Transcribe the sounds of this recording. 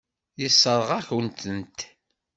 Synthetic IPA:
jisːəɾˤʁaçənt̪ənt̪

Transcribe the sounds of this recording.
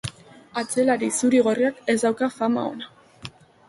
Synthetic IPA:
at͡se̞laɾisuɾiɣ̞o̞riake̞zd̪awkafama̰o̞̰na

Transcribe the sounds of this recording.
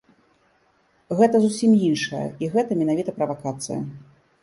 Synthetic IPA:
ɣɛt̪ɐzusʲimjinʂɐjɐ̰iɣɛt̪ɐmʲɛnavʲit̪ɐpɾɐvakat̪sɨ̰jɐ̰

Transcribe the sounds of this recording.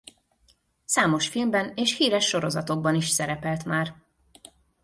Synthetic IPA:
saːmo̞ʃfilmbɛneːʃhiːɾɛʃːo̞ɾozɒt̪oɡ̚bɒniʃsɛɾɛpɛlt̪maːr

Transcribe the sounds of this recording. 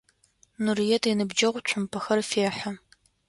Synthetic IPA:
nurijɛtʰinɨbd͡ʒɐʁʷʊt͡ʃʷʰʊmpʰɐxɐrfeːħa

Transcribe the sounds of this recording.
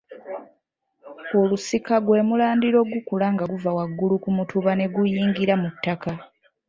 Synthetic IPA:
o̞lusikaɡwe̞ːmulaːndiɾo̞ɡukulaŋɡaɡuvawaɡːulukumutʰuβane̞ɡujiːŋɡiɾamutːaka

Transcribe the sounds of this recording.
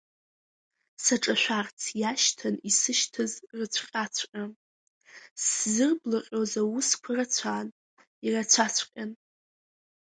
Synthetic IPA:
saʈ͡ʂʼaʃʷᶣart͡sʰjaʃtʰanisɨʃtʰɨzrɨt͡sʷʰqʲʼat͡sʷʰqʲʼa | szɨrblaqʲʼozawuskʷʰarat͡sʷʰaːn | irat͡sʷʰat͡sʷʰqʲʼan

